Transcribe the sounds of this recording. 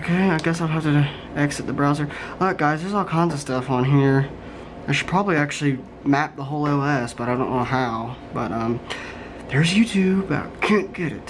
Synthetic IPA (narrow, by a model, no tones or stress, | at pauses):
oʊkʰeɪaɪɡɛsaɪd̚ˠɦæftɨ | ɛksɨt̪̚ðəbɹaʊzə˞ʌk̚ɡ̥aɪzðə˞zɔlˠkʰãɪ̃nzʌ̥stʌfn̩ɦiɹ | aɪʃɨd̥̚pʰɹ̥ɑbəbliæk̚t͡ʃʉl̩ˠi | mæp̚ðəɦoʊlˠelɛsb̥ʌɾaɪdõʊ̃nːoʊɦaʊb̥ʌtʌ̃m | ðə˞zjʉtʰʉbʌ̰kʰæ̃nɡ̥ɛɾɪ̰t̚